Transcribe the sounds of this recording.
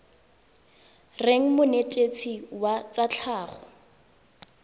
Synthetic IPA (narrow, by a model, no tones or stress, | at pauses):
reŋ̩mʊnetʼet͡sʰiwat͡sat͡ɬʰaːχɔ